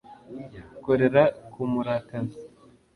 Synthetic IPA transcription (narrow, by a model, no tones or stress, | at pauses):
jkoɾe̞ɾakʰumuɾaːkana